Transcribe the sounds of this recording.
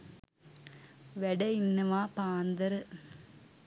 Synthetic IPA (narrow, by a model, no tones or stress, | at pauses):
ʋɛɽɐɪnːɐʋaːpaːnd̪ɐɾɯ